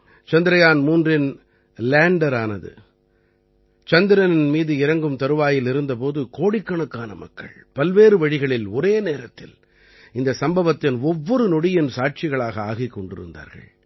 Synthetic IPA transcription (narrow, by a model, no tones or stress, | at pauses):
t͡ʃɐnd̪ɪɾɐjaːnmuːndrɪn | laːɳɖɐɾaːnɐðɯ̰ | t͡ʃɐnd̪ɪɾɐnɪnmiːðɯɪɾɐŋɡɯmt̪ɐɾɯʋaːjɪlɪɾɯnd̪ɐpoːðɯkoːɽɪkːɐɳɐkːaːnɐmɐ̰kːɐ̰ɭpɐlʋeːɾɯʋɐɻɪɣɐɭɪlɔɾeːneːɾɐt̪ːɪl | ɪnd̪ɐsɐmbɐʋɐt̪ːɪnɔʋːɔɾɯnɔɽɪjɪnsaːʈ̚t͡ʃɪɣɐɭaːɣɐaːɣɪkːɔɳɖɪ̰ɾɯ̰nd̪a̰ːɾɣɐ̰ɭ